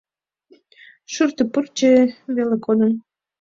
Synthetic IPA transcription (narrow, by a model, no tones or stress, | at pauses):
ʃurt̪əpərt͡ɕeβelekod̪ən